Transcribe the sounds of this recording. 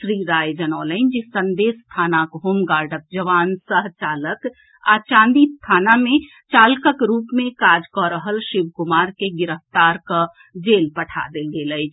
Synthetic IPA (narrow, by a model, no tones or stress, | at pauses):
sɾiɾajd͡ʒənɔləɪnd͡ʒisənd̪est̪ʰanakɦomɡaɾɖək̚d͡ʒəʋansəɦt͡ʃalək | a̰t͡ʃãnd̪ist̪ʰaname | t͡ʃalkəkɾupmekad͡ʒkɔɾəɦəlʃibkumaɾkeɡiɾəft̪aɾkə | d͡ʒelpəʈʰa̰d̪elɡeləɪt͡ʃʰ